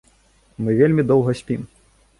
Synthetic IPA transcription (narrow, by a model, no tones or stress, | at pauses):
mɨvʲelʲmʲid̪ɔwˠɣɐsʲpʲim